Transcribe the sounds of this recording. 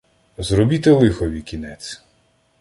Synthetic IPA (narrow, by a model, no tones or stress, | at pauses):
zɾɔbʲit̪elˠɪxɔʋʲikʲinɛt͡sʲ